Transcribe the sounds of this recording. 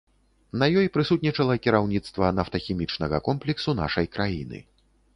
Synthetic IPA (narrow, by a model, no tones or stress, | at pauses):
nɐjɔjpɾɨsut̪̚ʲnʲit͡ʂɐlˠɐkʲiɾawnʲit̪st̪vɐnɐft̪ɐxʲimʲit͡ʂnɐɣɐkɔmplʲiksuna̰ʂɐjkɾʔajinɨ̰